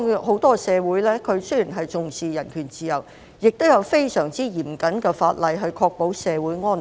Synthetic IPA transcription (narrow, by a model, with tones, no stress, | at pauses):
ho˨˥wt̪ɔː˥sɛː˨˧wuː˨˥jlɛː˥kʰɵ˨˧ɥsɵ˥ɥjiː˨˩nɦɐ˨jt͡sʊ˨ŋsiː˨jɐ˨˩nkʰyː˨˩nt͡siː˨˧jɐ˨˩w | jɪ˨k̚t̪o˥wjɐ˨˧wfe˥jsœː˨˩ŋt͡siː˥jiː˨˩mkɐ˨˥nkɛː˧faː˧t̚lɐ˨˧jɦɵ˧ɥkʰɔː˧k̚po˨˥wsɛː˨˧wuː˨˥jŋɔː˥n